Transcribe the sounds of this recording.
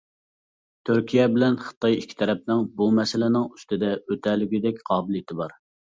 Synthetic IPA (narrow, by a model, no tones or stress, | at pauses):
t̪ʰyɾkʲijɛbɪlɛnχə̥t̪ʰɑjikʲʰːi̥t̪ʰɛɾɛp̚nɪŋbumɛsɪlɪnɪŋyst̪ɪd̪ɛøt̪ʰɛlyɡʲyd̪ɛkʲqʰɑːbɪlˠjt̪ʰɪbɑɾ